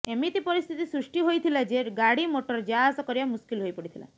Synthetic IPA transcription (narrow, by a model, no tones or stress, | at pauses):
emit̪ipɔɾist̪ʰit̪isɾuʂʈiɦojt̪ʰilad͡ʒeɡaɽimoʈɔɾd͡ʒaasɔkɔɾiamuskilɦojpɔɽit̪ʰila̰